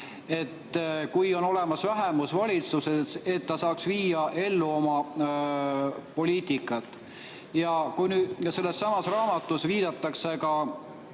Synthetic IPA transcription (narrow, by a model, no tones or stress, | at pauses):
e̞t̪ːkujo̞no̞le̞mɑsvæɦe̞musvɑlʲit̪susese̞t̪ːɑsɑːksviːjɑʔe̞lːuo̞mɑ | po̞liːt̪ikːˑɑt̪ːˑ | jɑkujnyːd̪̥se̞lːe̞sːɑmɑsrɑːmɑt̪ːˑusviːd̪̥ɑt̪ːɑkse̞kɑ